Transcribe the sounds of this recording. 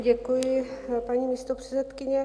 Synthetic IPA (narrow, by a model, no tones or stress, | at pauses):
ɟɛkujɪpaɲiːmiːst̪opr̝̥ɛ̥t͡sɛt̪kɪɲɛ